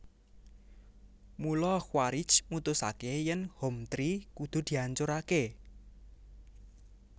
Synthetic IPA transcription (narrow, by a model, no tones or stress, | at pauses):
mulɔxwaɾɪ̥t͡ʃmut̪ʊsa̰kejənhɔmt̪ɾikud̪̥o̤d̪̥i̤aɲt͡ʃoɾake